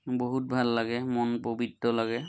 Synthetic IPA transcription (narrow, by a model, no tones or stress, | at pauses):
boɦut̚bʱalːaɡɛmɔnpobidːɔlaɡɛ